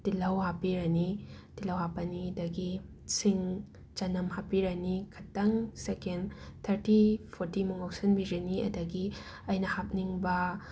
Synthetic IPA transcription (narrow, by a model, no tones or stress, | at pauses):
tilɐwhapiɾɐnid̥ilɐwɦapɐnidɐɡi | siŋ | t͡ʃɐnɐmɦapiɾɐnikʰɐtːɐŋsekent̪ʰɐɾtipʰoɾtimuŋawsɐnbiɾɐniɐ̰dɐɡi | ɐjnɐhap̚niŋbɐ